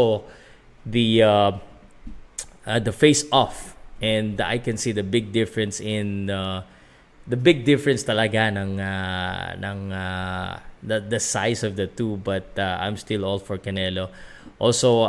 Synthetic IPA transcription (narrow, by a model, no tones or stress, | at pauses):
o | ðia | d̪ɐfeɪsɔfʔɛ̃nd̪a̰jkɛ̃nsiðɐbɪɡ̚d̪ɪfɹɛ̃nsɪ̃na | d̪ɐbɪɡ̚d̪ɪfɹɛ̃nst̪ɐlɐɡanɐŋanɐ̰ŋa | d̪ɐd̪ɐsajsɔvd̪ɐt̪ubɐt̪̚aʔã̰jmst̪ɪlɔlfɔɹkɐnɛloʔɔlso